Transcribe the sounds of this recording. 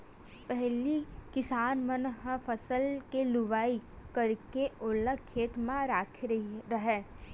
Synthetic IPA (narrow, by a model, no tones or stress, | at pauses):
pɛɦlikɪsaːnmənɦə̃pʰəsəlkelʊʋaːikɐɾkeʊləkʰːeːt̪mãɾaːkʰɾɾɐɦɛː